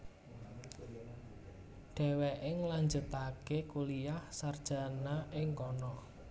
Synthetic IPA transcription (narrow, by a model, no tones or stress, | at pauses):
ɖ̥ɛ̤wɛʔɪŋlaɲd͡ʒut̪akekulijahsard̥ʒ̥a̤naʔɪŋkɔnɔ